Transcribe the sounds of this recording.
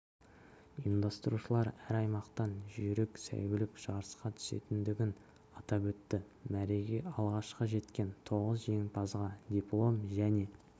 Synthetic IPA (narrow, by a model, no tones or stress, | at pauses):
ind̪ɑst̪əɾuʃəlˠɑɾæɾɑjmɑqt̪ɑnʒʏɾɪksæ̰jwɪlɪkʒ̥ɑɾəsqɑt̪ʰʏ̥se̞̰t̪ɪnd̪ɪɡʲɪn | ɑt̪ɑpwɵt̪ːɪ | mæɾe̞ɡʲeɑlˠʁɑʃqɑʒe̞t̪kʲe̞nt̪ʰo̞ʁəzʒe̞ŋpʰɑzʁɑd̪ʲiplˠo̞mʒæne̞